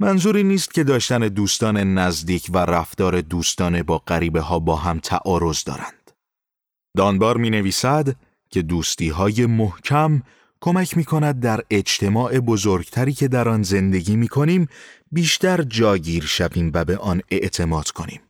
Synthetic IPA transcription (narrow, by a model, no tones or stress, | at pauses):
mænzuːɾiːniːst̪̚cʰe̞d̪ɒːʃt̪æne̞d̪uːst̪ɒːne̞næzd̪iːcʰværæft̪ɒːɾe̞d̪uːst̪ɒːne̞bɒːɢæɾiːbe̞ɦɒːbɒːɦæmt̪ʰæ̰ʔɒːɾo̞zd̪ɒ̰ːɾænd̪̥ | d̪ɒːnbɒːɾmiːne̞viːsæd̪ | cʲʰe̞d̪uːst̪iːɦɒːje̞mohcʰæm | kʰo̞mæcʰmiːkʰo̞næd̪̚ːæɾe̞d͡ʒt̪ʰe̞mɒːʔe̞bo̞zo̞ɾɡt̪ʰæɾiːcʰe̞d̪æɾɒːnze̞nd̪e̞ɟiːmiːkʰo̞niːmbiːʃt̪æɾd͡ʒɒːɟiːɾʃæbiːmvæbe̞ʔɒːne̞ʔt̪ʰe̞mɒːd̪̥kʰo̞nḭːm